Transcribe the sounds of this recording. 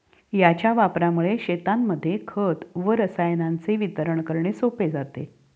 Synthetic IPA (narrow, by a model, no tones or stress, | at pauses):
jat͡ɕjaʋapɾamuɭeɕet̪amːəd̪ʱːjekʰət̪ʋəɾəsajnant͡seʋit̪əɾəɳkəɾɳesoped͡zat̪ḛ